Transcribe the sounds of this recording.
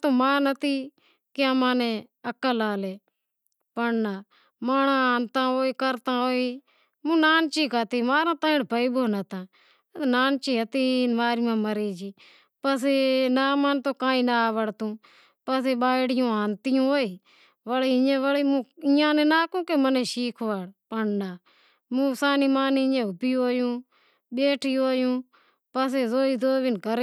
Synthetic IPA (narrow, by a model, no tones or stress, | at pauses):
t̪õːmaːnət̪iː | kːamãːnẽːəkəlaːleː | pəɳnaː | maːɳãːaːnt̪ãːoːiːkəɾt̪ãːoːiː | mũːnaːnt͡ʃiːkat̪iːmaːɾãːt̪ãːɪɽbəiːboːnət̪ãː | t̪ːnaːnt͡ʃiːɦət̪iːmaːɾimãːməɾeːd͡ʒiː | pəseːnaːmant̪oːkãːĩːnaːʋəɽt̪ũː | pəseːɓaːɽɪjũːaːnt̪ɪjũːɦoːiː | ʋəliːɪjãːʋəliːmũːɪjãːnẽːnaːkũːkeːmənẽːʃiːkʰʋaːɽpəɳnaː | mũːsaːniːmaːnjãːɦʊpiːoːjũː | ɓeːʈʰiːoːjũː | pəs̬eːzoːiːd̪oːʋɪnkəɾ